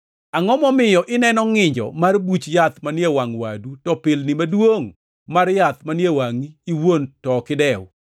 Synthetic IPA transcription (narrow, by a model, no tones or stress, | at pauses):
aŋɔmɔmɪjɔʔɪnɛnɔŋɪɲd͡ʒɔ̰marbut͡ʃjat̪manjewaŋwa̰dutɔpɪlnɪmadwoŋ | marjat̪̚manjewaŋiiwontɔkɪdɛw